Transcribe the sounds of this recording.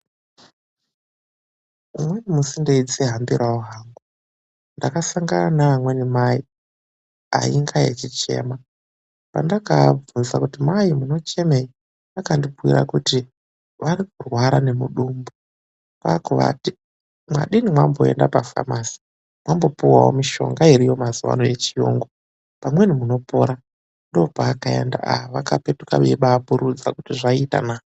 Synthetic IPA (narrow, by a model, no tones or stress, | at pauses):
umwe̞nimusindeid͡zeɦambiɾʔaoɦaːŋɡu | ndakasaŋɡaanamwe̞nimai | a̰iŋɡajḛt͡ʃit͡ʃe̞̰ːma | pa̰ndakavunzakutimaimuno̞t͡ʃe̞mei | akandipuwḭɾa̰kuti | ʋaɾikurwaɾane̞muɗumbu | kakuʋa̰ti | mwa̰ɗinimwambo̞e̞̰ndapafa̰maːsi̥ | mwambo̞puwawo̞̰miʃo̞̰ŋɡaiɾijo̞mazuʋa̰noe̞t͡ʃijo̰ŋɡo | pamwe̞nimuno̞po̞ɾa | ndopaːkae̞̰nda̰aɦaʋakape̞tuka̰ʋiɓaːpuɾud͡zakutiʐaita̰naːo